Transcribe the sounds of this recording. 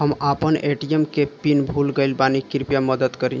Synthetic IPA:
ɦəmapəneʈijemkepinbʱulɡəɪlbanikiɾpjaməd̪əd̪kəɾi

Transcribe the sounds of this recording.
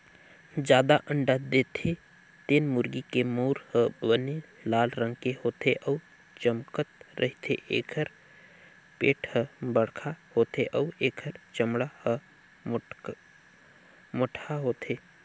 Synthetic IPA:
d͡ʒjaːd̪aʔə̃ɳɖad̪eːt̪ʰe | t̪eːnmʊɾɡikemoːɾhə̃bəne | laːlɾə̃ŋɡkehoːt̪ʰeʔɔː | t͡ʃəmkət̪ɾʔəɦit̪ʰeʔḛːkʰəɾ | pḛːʈʰhəbəɽkʰahoːt̪ʰeʔɔːeːkʰəɾt͡ʃəmɽahə | moʈʰaɦoːt̪ʰeː

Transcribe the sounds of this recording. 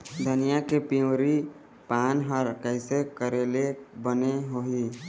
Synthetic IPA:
d̪ʱənijakepiõɾi | paːnɦəɾkəɪsekəɾelebəneɦoɦi

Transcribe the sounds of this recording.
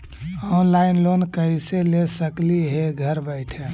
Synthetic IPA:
ɔːnlaɪnlonkəɦiselesəkliɦeɡʱəɾbəɪʈʰe

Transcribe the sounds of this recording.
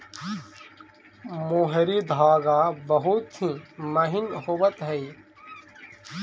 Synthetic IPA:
moːɦɾid̪ʱaːɡaːbɐɦut̪ɦĩːmɐɦɪnɦowət̪ɦɛi

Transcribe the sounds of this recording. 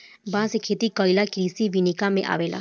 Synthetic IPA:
bãːsekʰeːt̪ikɔilakɾiːsiʋinikamẽʔa̰ːʋeːla̰ː

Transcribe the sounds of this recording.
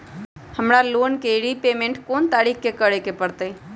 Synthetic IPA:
həmɾaloːnkeɾipeːmẽɳʈkoːnt̪aːɾikʰkekəɾekepəɾt̪ə

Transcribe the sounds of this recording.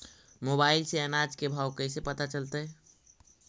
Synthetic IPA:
moːbaːɪlseənaːd͡ʒkebʱaːwkɛɪsepət̪at͡ʃəlt̪eɦɛː

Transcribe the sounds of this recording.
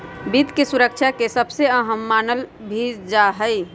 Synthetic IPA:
bit̪kesuɾəkt͡ʃʰakesəbseəɦəmːaːnəlbʱid͡ʒaɦəj

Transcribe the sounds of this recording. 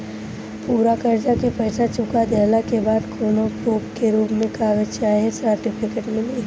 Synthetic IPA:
puːɾakəɾd͡ʒakepɛːsat͡ʃʊkad̪ɛːlakebaːd̪kʰoːnopoːpkeɾuːpmẽkaːɡət͡ʃaːɦesəɾʈɪpʰɪkəʈmẽli

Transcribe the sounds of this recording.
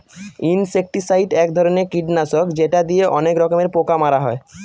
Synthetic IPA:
insek̚ʈisajʈɛkd̪ʱɔɾonekiɖnaʃokd͡ʑeʈad̪ieʔɔnekɾɔkomeɾpokamaɾaɦɔe

